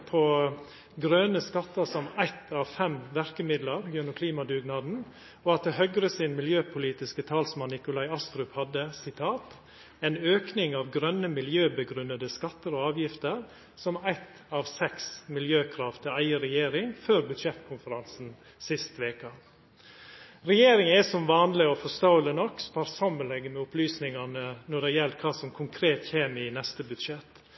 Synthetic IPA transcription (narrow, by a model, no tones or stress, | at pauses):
pʰo | ɡɾœnəskɑt̪ːəɾsɔmæɪt̪ʰɑːʋfɛmʋæɾkəmɪd̪ləɾɡʉnːʊkʰliːmɑd̪ʉːɡnɑːd̪n̩ | ɔɑt̪̚d̪ɛhœɡɾəsɪːnmɪljøːpʰʊliːt̪ɪskət̪ʰɑːlsmɑnːɪkʊlɑɪɑst̪ɾʉphɑd̪əsɪt̪ʰɑːt̪ | ɛnøːknɪŋɑːʋɡɾœnːəmɪljøːbəɡɾʉnːəd̪əskɑt̪ːəɾɔɑːʋjɪft̪əɾ | sɔmæɪt̪ | ɑːʋsɛksmɪljøːkʰɾɑːʋt̪ʰɪæɪəɾɛjeːɾɪŋføːɾbʉd̪ʂɛt̪kʰʊnfəɾɑnsn̩ | sɪst̪ʋeːkə | ɾɛjeːɾɪŋɛsɔmʋɑːnlɪɔfɔst̪ɑʊlənɔkːspʰɑɾsɑmənɛɡːəmɛʊplyːsnɪŋɑnənɔɖɛjɛlkʰɑːsɔmkʰʊŋkʰɾeːt̪çeːmɪnɛst̪əbʉd̪ʂɛt̪